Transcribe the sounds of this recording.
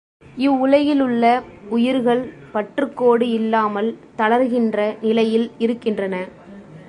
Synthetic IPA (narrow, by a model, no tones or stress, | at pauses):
ɪʋːʊɻɐjɪlɯɭːɐʊjɪɾɣɐɭ | pɐʈrɯkːoːɽɯɪlːaːmɐlt̪ɐlɐɾɣɪndrɐnɪlɐjɪlɪɾɯkːɪndrɐnɐ